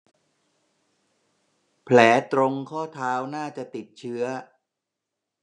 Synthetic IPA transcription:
pʰlɛː˩˦t̪ɾo˧ŋkʰɔː˥˩t̪ʰaː˦˥wnaː˥˩t͡ɕa˨˩t̪i˨˩t̪̚t͡ɕʰɯ˦˥ɐ

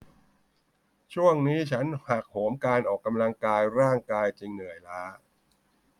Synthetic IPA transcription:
t͡ɕʰu˥˩əŋniː˦˥t͡ɕʰa˦˥nha˨˩k̚hoː˩˦mkaː˧nʔɔː˨˩kːa˧mla˧ŋkaː˧jɾaː˥˩ŋkaː˧jt͡ɕi˧ŋnɯ˨˩əjlaː˦˥

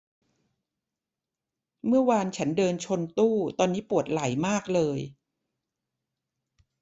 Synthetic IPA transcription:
mɯ˥˩ɐwaː˧nt͡ɕʰa˦˥ndɤː˧nt͡ɕʰo˧nt̪uː˥˩t̪ɔː˧nːiː˦˥pu˨˩ət̪̚la˨˩˦jmaː˥˩k̚lɤː˧j

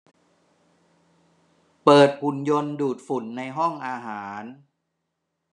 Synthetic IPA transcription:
pɤː˨˩t̪̚hu˨˩njo˧nduː˨˩t̪̚fu˨˩˦nːa˧jɦɔ˥˩ŋʔaː˧ɦaː˩˦n

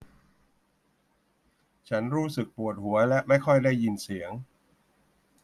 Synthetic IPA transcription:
t͡ɕʰa˦˥nɾuː˦˥sɯ˨˩k̚pu˨˩ət̪̚hu˩˦ɐlɛ˦˥ʔma˥˩jkʰɔ˥˩jdaː˥˩jːi˧nsi˩˦əŋ

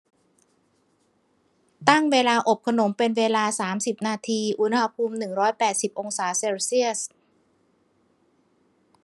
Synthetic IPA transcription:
t̪a˥˩ŋweː˧laː˧ʔo˨˩p̚kʰa˧no˩˦mpe˧nweː˧laː˧saː˩˦msi˨˩p̚naː˧t̪ʰiː˧ʔu˦˥nha˧pʰuː˧mnɯ˨˩ŋɾɔː˦˥jpɛː˨˩t̪̚si˨˩p̚ʔo˧ŋsaː˩˦seː˧wsi˥˩əs

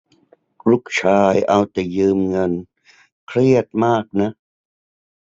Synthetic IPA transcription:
lu˦˥˩k̚t͡ɕʰaː˧jʔa˧wt̪ɛː˨˩jɯː˧mŋɤ˧n | kʰɾi˥˩ət̪̚maː˥˩k̚na˦˥ʔ

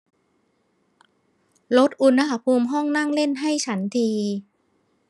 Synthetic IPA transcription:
lo˦˥t̪̚ʔu˧nha˧˩ha˧pʰuː˧mɦɔ˥˩ŋna˥˩ŋle˥˩nɦa˥˩jt͡ɕʰa˦˥nt̪ʰiː˧

